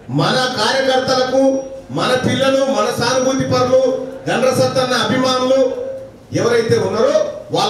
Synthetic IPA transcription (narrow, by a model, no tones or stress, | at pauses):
mɐnɐkaːɾjɐkɐɾt̪ɐlɐkumɐnɐpilːɐlumɐnɐsaːnubʱut̪ipɐɾluɡɐnɖɾɐsɐt̪ːɐnːɐːbʱimaːnulu | ɛʋɐɾɐjt̪e̞ːunːɐɾoːʋaː